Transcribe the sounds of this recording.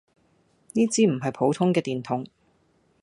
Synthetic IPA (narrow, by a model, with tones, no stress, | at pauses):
niː˥t͡siː˨˥m̩˨˩ɦɐ˨jpʰo˨˥wt̪ʰʊ˥ŋkɛː˧t̪iː˨nt̪ʰʊ˨˥ŋ